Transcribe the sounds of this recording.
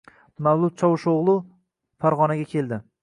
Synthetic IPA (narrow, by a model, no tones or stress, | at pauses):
mawlˠʊt̪̚t͡ʃʰɒwʊʃoʁlˠʊ | faɾʁɒnaɡʲakʲʰe̞lˠd̪ɪ